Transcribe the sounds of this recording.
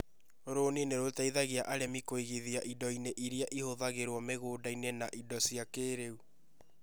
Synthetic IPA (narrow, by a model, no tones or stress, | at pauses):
oɾoneneɾotaiðaɣiaʔaɾemikoiɣiðiaʔidɔineʔiɾiaʔihoðaɣeɾwɔmeɣoːdainenaʔidɔsiakeːɾeu